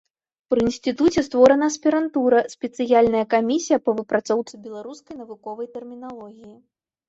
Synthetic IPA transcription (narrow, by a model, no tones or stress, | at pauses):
pɾɨinsʲt̪ɨt̪ut͡sʲɛst̪vɔɾɐnɐːsʲpʲiɾant̪uɾɐsʲpʲɛt̪sɨjalʲnɐjɐkamʲisʲijɐpɐvɨpɾat̪sɔwt̪sɨbʲɛlˠaɾuskɐjn̪ɐvukɔvɐjt̪ɛrmʲinalˠɔɣʲiji